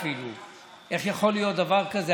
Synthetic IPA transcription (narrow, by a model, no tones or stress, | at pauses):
filṵ | ʔeχjaχolijot̪̚d̪ɐvaʁkɐze